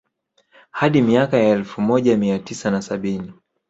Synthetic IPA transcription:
haɗimiakajaɛlfumɔʄamiatisanasaɓini

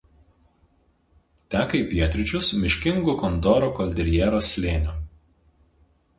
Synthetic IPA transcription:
t̪ʲæːkɐɪpʲiɛt̪ʲɾʲɪt͡ʃʲʊsmʲɪʃʲkʲɪŋɡukɔnd̪ɔːɾoːkɔlʲd̪ʲɾʲjɛːɾoːsʲːlʲeːnʲo

